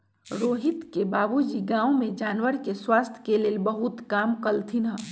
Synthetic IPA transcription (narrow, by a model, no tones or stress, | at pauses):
ɾoːɦɪt̪kebaːbud͡ʒiɡãːwõmẽd͡ʒaːnwəɾkeswaːst̪ʰjkeleːlbəɦut̪kaːmkəlt̪ʰinə